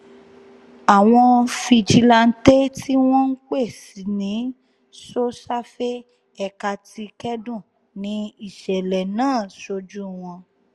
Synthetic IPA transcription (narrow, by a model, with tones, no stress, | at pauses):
a˨w̃ɔ̃˧fi˧d͡ʒi˧la˧n̩˦te˦ti˦w̃ɔ̃˦n̩˦k͡pe˦˨si˨nĩ˨˦ | so˦sa˦fe˦ | ɛ˧ka˧ti˧kɛ˦dũ˦˨ | nĩ˨˦i˦˨ʃɛ˨lɛ˨nãː˦˨so˧d͡ʒu˦w̃ɔ̃˧